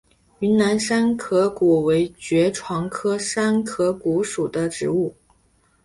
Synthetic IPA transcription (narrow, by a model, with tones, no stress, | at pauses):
y˧˥nna˧˥nʂa˥nkʰɤ˧˥kɔ˨˩we˧˥ɪt͡ɕɥɛ˧˥ʈ͡ʂʰwɑ˧˥ŋkʰɤ˥ʂa˥nkʰɤ˧˥ku˧˥ʂu˨˩d̪ə˦ʈ͡ʂɻ̩˧˥u˥˩